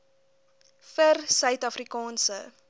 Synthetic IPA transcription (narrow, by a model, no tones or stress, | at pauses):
fərsœɥtɐfrikɑːnsə̰